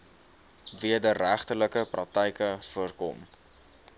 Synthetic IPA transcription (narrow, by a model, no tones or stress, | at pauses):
viədəræχtələkəprɑk̚tɛjkəfuərkɔ̰m